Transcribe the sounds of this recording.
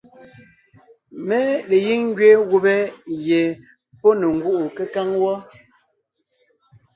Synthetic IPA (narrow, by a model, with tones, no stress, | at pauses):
mɛ˦le˨ji˦ŋŋ˦ɡɥe˦ɣu˦bɛ˦je˨ | pɔ˦ne˨ŋ̩˦ɡu˦ʔu˨ke˦ka˦ŋwɔ˦